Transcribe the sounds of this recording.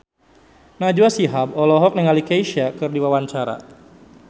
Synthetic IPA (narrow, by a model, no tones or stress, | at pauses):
nad͡ʒuasiɦabɔlɔɦɔk̚nəŋalikajʃiakɨrdiwawaɲt͡ʃaɾa̰